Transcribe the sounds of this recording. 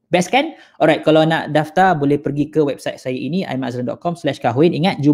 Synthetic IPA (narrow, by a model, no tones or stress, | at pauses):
bɛskan | ʔɔɾajt̪̚kalanã̰ʔdaft̪abolɛhpərɡikəwɛb̚sajt̪̚sajaʔinĩa̰jma̰sɾəndɔ̰t̪̚kɔmslɛʃkaɦwɪniŋat̪̚d͡ʒu